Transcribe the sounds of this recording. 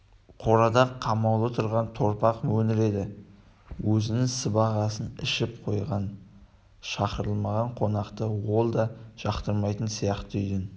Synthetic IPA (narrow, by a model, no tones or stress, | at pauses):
qʰo̞ɾɑd̪ɑqʰːɑmɑwlˠət̪ʰʊɾʁɑnt̪ʰo̞ɾpɑqmɵnɪɾe̞d̪ɪ | wɵzɪnɪŋsəbɑʁɑsənɪ̰ʃɪp̚qʰo̞jʁɑn | ʃɑqəɾəlˠmɑʁɑɴqʰo̞nɑqt̪əwo̞lˠd̪ɑʒ̥ɑqt̪əɾmɑjt̪ənsijɑqt̪əʏjʲɪn